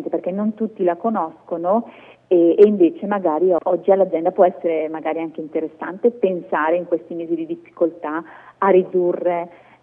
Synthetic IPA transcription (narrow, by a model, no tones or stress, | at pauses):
nt̪eperk̟enːont̪ut̪ːilakonɔskono | eːiɱveːt͡ʃemaɡaːɾiʔɔd͡ʒːialːad͡ʒ̪ɛnd̪apwɔɛsːeɾemaɡaːɾiaŋk̟eint̪eɾesːa̰nt̪epensaːɾeiŋkwest̪imeːzid̪id̪ifːi̥kolt̪aarid̪urːe